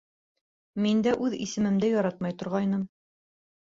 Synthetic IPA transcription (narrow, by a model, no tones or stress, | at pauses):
mind̪æʔʉðḭsɘ̆mɘ̆md̪ɘjɒɾɑt̪mɑjt̪ŏɾʁɑjnɤm